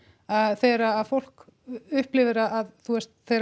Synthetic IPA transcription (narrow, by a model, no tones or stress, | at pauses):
aðθɛːɾaːðfowl̥k | ʏhplɪːvɪɾaːðθʰuɛst̪̚θejɾ